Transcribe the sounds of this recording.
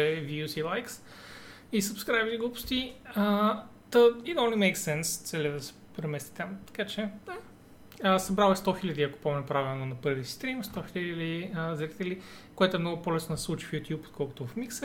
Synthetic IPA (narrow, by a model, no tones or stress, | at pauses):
ɛviusilˠajks | isɐpskɾajviɡupʊ̥st̪iə | t̪ɐid̪õnlimɛɪksɛnst̪sɛliəd̪ɐsɛ̥pɾɛmɛst̪i̥t̪amt̪ɐ̥kat͡ʃɛa | əsɐbɾalɛst̪ɔxilɐd̪iɐko̥pɔmɛnʊpɾavilˠnonɐpɤɾvʲisist̪ɾimst̪ɔxilɐlɐd̪iəzɐɾit̪ɛli | koɛt̪ʊɛmnɔɡʊpolɛsnod̪sɛslˠut͡ʃi̥fjut̪ʲjupo̥t̪̚kʰɔlˠkʊt̪ʊvɐfmiks